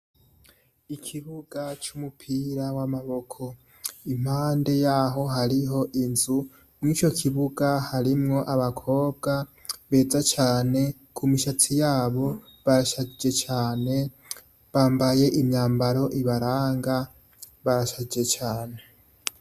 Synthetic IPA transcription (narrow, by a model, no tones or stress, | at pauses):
ikʰiβuɡat͡ʃumupʰiɾawamaβo̞kʰo̞ | im̥haːnde̞jaːɦo̞ɦaɾiɦo̞ʔinzu | mŋiːt͡ʃo̞kʰiβuɡahaɾimŋo̞ʔaβakʰo̞ːb̚ɡa | βe̞ːzat͡ʃaːne̞ | kʰumiʃat͡sijaːβo̞βaɾaʃad͡ʒe̞t͡ʃaːne̞ | βaːmbaje̞ʔimɲaːmbaɾo̞ʔiβaɾaːŋɡa | βaɾaʃad͡ʒe̞t͡ʃaːne̞